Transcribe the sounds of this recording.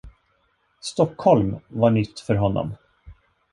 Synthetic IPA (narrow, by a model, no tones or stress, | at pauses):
st̪ɔkːhɔlmvaɳʏt̪ːfœɾɦɔnːɔ̰m